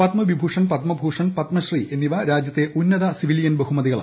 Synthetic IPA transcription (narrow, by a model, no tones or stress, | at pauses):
pɐt̪mɐʋibʱuːʂɐnpɐt̪mɐbʱuːʂɐnpɐt̪mɐɕriʔenːiʋɐɾaːd͡ʑjɐt̪ːeʔunːɐðɐsiʋiljɐnbɐɦumɐðiɣɐɭa̰